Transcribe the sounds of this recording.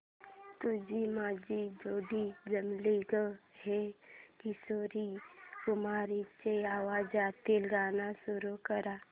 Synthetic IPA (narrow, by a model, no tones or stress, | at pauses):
t̪ud͡ʒimaːd͡ʒid͡ʒoːɖid͡ʒəmliɡəɦekisoːɾikʊmaːɾit͡ʃeaːwaːd͡ʒaːt̪ilɡaːnasuɾukəɾaː